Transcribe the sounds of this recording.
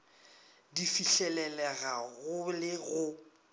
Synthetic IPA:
difiɬɛlɛlɛɣaɣʊlɪɣʊ

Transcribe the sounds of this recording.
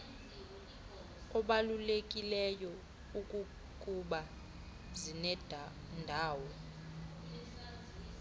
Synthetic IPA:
kʼɔɓalulekʼilɛjɔ | ukʼu | kʼuɓa | zinɛd̥ʱa | ndʱaːwɔ

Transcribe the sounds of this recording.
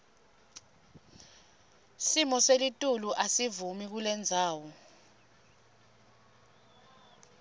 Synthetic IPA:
simɔselitʼuluʔasivumik̬ulɛnd͡zʱaːwɔ

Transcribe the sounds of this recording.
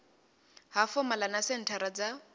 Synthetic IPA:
hafɔmalanasen̩tʰaɾad͡za

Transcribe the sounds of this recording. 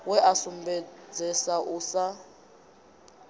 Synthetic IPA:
wɛʔasumbɛd͡zɛsaʔuːsa

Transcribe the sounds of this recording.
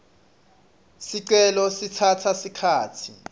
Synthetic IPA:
siǀɛlɔsitʰatʰasikʰaːtʰi

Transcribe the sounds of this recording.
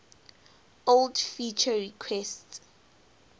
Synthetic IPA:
oldfit͡ʃʰəɹikʰwɛst

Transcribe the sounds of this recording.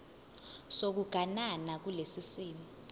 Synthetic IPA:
sok̬uɡ̥ʱananak̬ulesisiːmi

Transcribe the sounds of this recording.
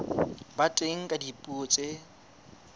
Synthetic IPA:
batʼeŋ̩kʼadipʼut͡sʼe

